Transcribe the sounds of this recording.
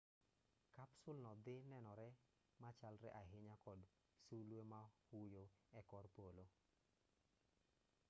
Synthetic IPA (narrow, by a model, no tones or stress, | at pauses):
kapsʊlnɔd̪ɪnɛnɔɾɛ | mat͡ʃalɾɛʔaɦɪɲakɔd | sulwemahujoɛkɔrpolo